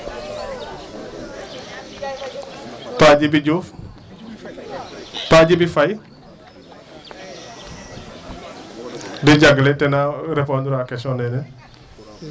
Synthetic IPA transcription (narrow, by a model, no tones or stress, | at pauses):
paɟibiɟuːf | paɟibifaj | diɟaɡletenaɾepondɾakesonene